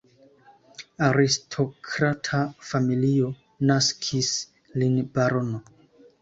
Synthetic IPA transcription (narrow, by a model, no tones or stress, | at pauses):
aɾistʰo̞kʰɾatʰafamilio̞ | naskʰis | linbaɾono